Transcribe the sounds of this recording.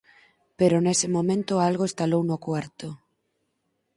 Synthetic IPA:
peɾʊnesɪmomẽnt̪ʊalɣoest̪alownʊkwaɾt̪ʊ

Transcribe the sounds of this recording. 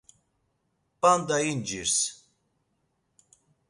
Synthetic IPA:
pʼand̪ajind͡ʒiɾs

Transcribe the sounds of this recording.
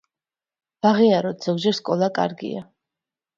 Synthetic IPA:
b̥aʁiaɾɔd̪z̥ɔɡd͡ʒɛɾskʼɔlˠakʼa̰ɾɡḭa̰

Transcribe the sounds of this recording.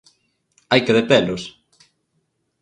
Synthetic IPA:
ajkeðepɛlʊs

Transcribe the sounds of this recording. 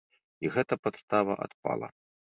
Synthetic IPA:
iɣɛt̪ɐpat̪st̪avɐʔa̰t̪pa̰lˠɐ̰

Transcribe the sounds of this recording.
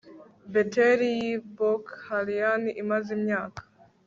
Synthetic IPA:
beteɾijibokhalijaniʔimazimɲaːkḁ

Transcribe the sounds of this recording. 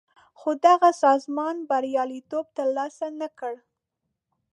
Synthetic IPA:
xod̪aɣasɑzmɑnbaɾjɑlit̪ob̚t̪əɾlɑsanakəɽ

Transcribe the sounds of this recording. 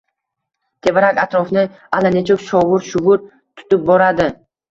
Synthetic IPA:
t̪ʰe̞baɾakʲat̪ɾɔfnɪ | alanet͡ʃʰokʃɒʁʊɾʃʊʁʊɾ | t̪ʰʊ̥t̪ɪp̚bɒɾad̪ɪ

